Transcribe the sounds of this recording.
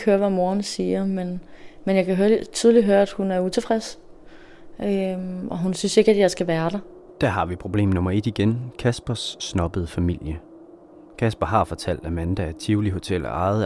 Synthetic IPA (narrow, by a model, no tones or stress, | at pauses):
høːɐʋæmo̝ːɐnsiːɐmenmenjɑ̈kʰæɦøɐt͡sʰyð̞ˠliɦøɐæd̥hunæɐut͡sʰe̝fʁɛs | ʔøɒ̽ɦunsynse̝ɡ̥æd̥jɑ̈ɪsɡ̥æʋæːɐɾ̥ɑ̈ | d̥æɐɦɑ̈ʋipʰʁo̝b̥le̝̰ːmnɔ̽mɐe̝d̥iɡ̥enkʰæsb̥ɐsːnɒ̽b̥əð̩ˠəfæmil̰jə | kʰæsb̥ɐɦɑ̈fɒ̽t͡sʰæl̰d̥æmænd̥ææɐt͡sʰiʊliɦo̝t͡sʰel̰ɒ̰ɑ̈ɪð̩ˠ